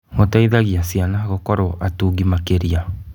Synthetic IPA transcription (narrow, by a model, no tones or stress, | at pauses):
motaiðaɣiasianaɣɔkɔɾɔʔatuːɡimakeɾia